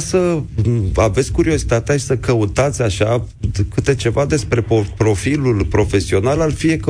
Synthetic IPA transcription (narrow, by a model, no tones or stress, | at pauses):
sə | ave̞t̪sʲkuɾio̞zi̥t̪at̪eaʃi̥səkəut̪at̪sʲaʃa | kɨt̪e̞t͡ʃe̞vad̪e̞spɾe̞popɾo̞filulpɾo̞fe̞sio̞nalalfie̞k